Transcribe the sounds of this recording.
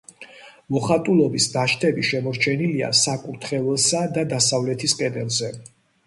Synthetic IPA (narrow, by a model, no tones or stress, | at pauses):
mɔχat̪ʼulˠɔbisd̪aʃt̪ʰɛbiʃɛmɔɾt͡ʃʰɛnilia̰sakʼuɾt̪ʰχɛvɛlˠsad̪ad̪asavlɛt̪ʰiskʼɛd̪ɛlˠzɛ